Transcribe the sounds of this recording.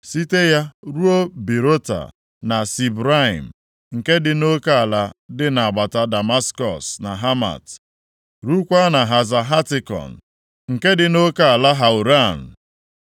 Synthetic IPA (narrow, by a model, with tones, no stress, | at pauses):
si˦te˦ja˦ɾu˦o˦bi˨ɾo˦ta̰˨ | na˨si˨bɾa˦ḭ˨m̩˨ | ŋ̩˨ke˦dɪ˨no˦ka˦a˨la˦dɪ˦na˨a˨ɡ͡ba˨ta˨da˨ma˦skɔ̰˨sna˨ɦa˦ma̰˨t | ɾu˦kʷa˦na˨ɦa˨za˨ɦa˦tɪ˨kɔ̰˨n̩˨ | ŋ̩˨ke˦dɪ˨no˦ka˦a˨la˦ɦa˨u˨ɾa˦˨n̩˨